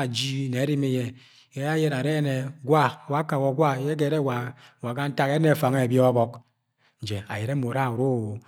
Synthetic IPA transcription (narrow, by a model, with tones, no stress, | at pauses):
d͡ʒi˦˨ne˨˦ɾi˦mi˦je˦˨ | ke˨˦ja˦je˦ɾa˨ɾe˦ne˨ɡwa˦˨wa˨˦ka˨wɔ˨ɡwa˦˨je˦k̬e˨ɾe˦wa˨wa˨ka˦n̩˦ta˦ke˦e˨fa˨ŋe˦e˨bjɔ˦a˦bɔ˦k̚ | n̩˨d͡ʒe˨a̰˨je˨ɾe˦mo˨ɾa˦˨u˨ɾo˦˨wo˨